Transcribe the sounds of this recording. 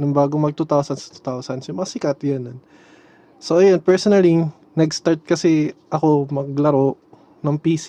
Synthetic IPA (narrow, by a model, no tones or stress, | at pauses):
nʊŋbaːɡoŋmɐɡ̚t̪ut̪awsɐnsɐ̥t̪u̥t̪awsɐnsjʊmɐŋasɪkat̪jonn | soʔɐjonpɛɹsonɐli | nɐɡst̪aɹt̪̚kɐsɛʔɐko̞mɐɡ̚lɐɾo̞ʔ | nɐŋpiːs